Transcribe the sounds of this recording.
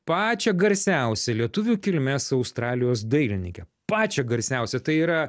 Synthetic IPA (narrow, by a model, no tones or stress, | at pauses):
pɑːt͡ʃʲɛɡɐɾʲsʲæʊsʲɛlʲiɛt̪ʊʋʲuːkʲɪlʲmʲɛsɐʊst̪ɾɑːlʲɪjoːsd̪ɐɪlʲɪnʲɪŋʲkʲɛpɑːt͡ʃʲɛɡɐɾʲsʲæʊsʲɛt̪ɐɪiːɾɐ